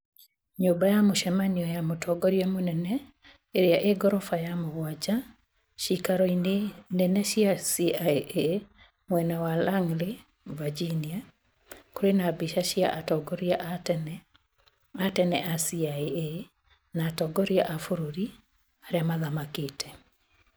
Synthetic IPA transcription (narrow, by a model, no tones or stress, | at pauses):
ɲobajamʊʃɛmaniɔjamotʰɔɡɔɾjamonɛnɛ | eɾjaʔeɡɔɾɔfajamɔwad͡ʒa | ʃikaɾɔnɛnɛʃiasiaʔe | mwɛnawalaŋlɪ | vad͡ʒinia | koɾenabiʃaʃja̰ʔatɔɡɔɾjaʔn | atɛnɛʔasiae | natɔɡɔɾjaʔafoɾoɾi | aɾjamaðamaketʰɛ